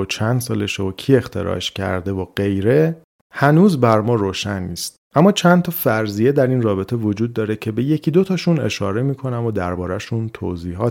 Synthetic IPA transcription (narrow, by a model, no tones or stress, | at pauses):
ot͡ʃʰænd̪sɒːleʃocʰie̞xt̪ʰe̞̰ɾɒ̰ːʃcʰæ̰ɾd̪e̞voɢ̥e̞jɾe̞ | hænuːzbæɾmɒːɾoːʃænːiːst̪̚ʔæmːɒːt͡ʃʰænt̪ʰɒːfæɾzijed̪æɾiːnrɒːbe̞t̪ʰe̞vo̞d͡ʒuːd̪̚ːɒːɾe̞cʰe̞be̞je̞cʰiːd̪ot̪ʰɒːʃune̞̰ʃɒ̰ːɾe̞miːkʰo̞næmod̪æɾbɒːɾæʃunt̪ʰo̰ziːɦɒː